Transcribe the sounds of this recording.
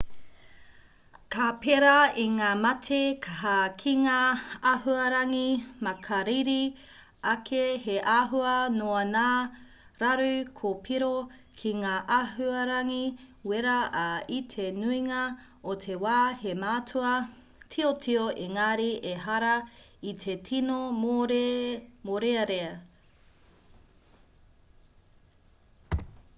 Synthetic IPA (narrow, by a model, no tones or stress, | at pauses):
kapʰeɾɐiŋaːmɐtʰekʰaɦakʰiŋaaɦuɐɾɐŋimɐkʰɐɾiɾi | ɐkʰeheʔaɦuɐnoɐnaː | ɾɐɾʉkʰopʰiɾo | kʰiŋaːʔaɦuɐɾɐŋiweɾɐʔɐitʰenuiŋɐ | otʰewaːhemaːtʰuɐ | tʰiotʰioʔeŋaːɾiʔeɦɐɾɐitʰetʰinoɾmoɾeɐɾeɐ